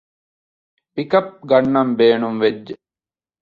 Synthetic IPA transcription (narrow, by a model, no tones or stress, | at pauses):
pikɐp̚ɡɐɳːɐmbeːɳumʋed͡ʒ